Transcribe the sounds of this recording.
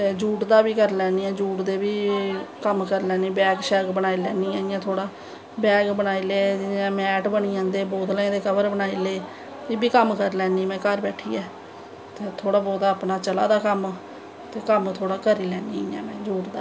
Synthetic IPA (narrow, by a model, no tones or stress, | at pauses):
t̪eːd͡ʒuːʈd̪aːbiːkəɾlɛːniːɛ̃ːd͡ʒuːʈd̪eːbiːkəmkəɾlɛːniːbɛːɡʃɛːɡbənaːilɛːniːɛ̃ːɪjãːt̪ʰoːɽaː | bɛːɡbənaːiːleːãːmɛːʈbəɳiːãːnd̪eːboːd̪lẽːd̪eːkəbəɾbənaːiːleː | d͡ʒɪːbiːkəmkəɾlɛːniːmɛ̃ːkəɾbɛːʈʰḭːɛː | t̪eːt̪ʰoːɽaːbɔːd̪aaːpnaːt͡ʃəla̰ːd̪aːkəm | t̪eːkəmt̪ʰoːɽaːkəɾiːlɛːniɪjã̰ːmɛ̃ːd͡ʒuːʈd̪aː